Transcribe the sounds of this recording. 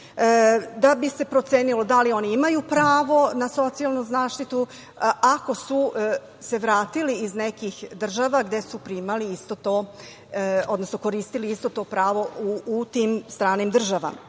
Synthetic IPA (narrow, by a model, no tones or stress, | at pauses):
d̪abise̞pɾo̞t̪se̞ːnilo̞d̪alio̞niimajupɾaːʋo̞naso̞t̪sialˠnuzaːʃt̪it̪u | ako̞su | se̞ʋɾaːt̪iliiznekixd̪r̩ʒaʋaɡd̪e̞supɾimaliist̪o̞t̪oː | o̞d̪no̞snoko̞ɾiːst̪iliist̪o̞t̪o̞ːpɾaːʋo̞uːt̪iːmst̪ɾaːnimd̪r̩ʒaʋa̰ma